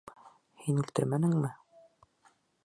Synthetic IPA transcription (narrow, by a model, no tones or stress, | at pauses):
hinʉlt̪ɘɾmænɘ̆ŋmɘ